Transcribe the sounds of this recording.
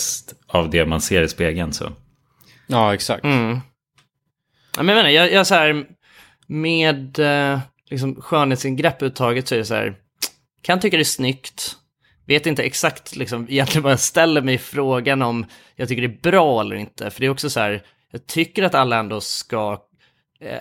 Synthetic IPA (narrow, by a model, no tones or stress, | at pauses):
st̪avd̪ɛma̰nseːɾɪspeːɡənsɔ̰ | ɑːɛksa̰k̚tm̩ | ʔa̰mɛnjɛmeːnajɑjɑsaæːɾ | meːd̪ | lɪks̬ɔmɧœːɳeːt̪sɪŋɡɾɛpːʉ̟ːt̪ʰːɑːɡət̪sɔæɖɛsæ̰ːɾ | kʰant̪ʰʏkːad̪ɛæsnʏkt̪ | veːt̪ɪnt̪əɛksakt̪ʰlɪksɔmɪjɛnt̪lɪɡənbɑːɾast̪ɛlːəɾmɛjɪfɾoːɡanɔmjɑɡ̚t̪ʏkːəɖɛæːbɾɑːɛlːə̰ɾɪnt̪ʰə̰fœɖɛːɾɔksɔsæːɾ | jɑːɡ̚t̪ʰʏkːəɾat̪alːaɛnd̪oːska̰